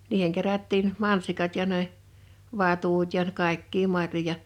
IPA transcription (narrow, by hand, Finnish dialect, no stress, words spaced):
niːheŋ kerætːiːn mɑnsikɑt jɑ ne ʋɑtut jɑ kɑˑekːiː mɑrjojɑ